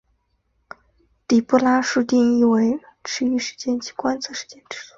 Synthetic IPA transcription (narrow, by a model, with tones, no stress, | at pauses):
t̪i˨˩pu˥˩la˥ʂu˥˧t̪i˥˧ŋi˥˩we˧˥ɪ | ʈ͡ʂʰɻ̩˧˥y˧˩ʂɻ̩˧˥˩t͡ɕjɛ˥˧nt͡ɕʰi̥˧˥˩kwa˥nt͡sʰɤ˥˩ʂɻ̩˧t͡ɕjɛ˥˧nʈ͡ʂɻ̩˥˩˥